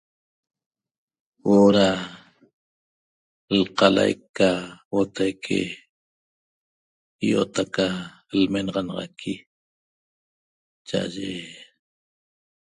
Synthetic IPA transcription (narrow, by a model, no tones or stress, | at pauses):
oɾa | lqɑla̰jkːawot̪ʰajkʰḛ | ijo̰t̪aka | lmenɑʁɑnɑʁɑ̰kʰi | t͡ʃaʔa̰ʒe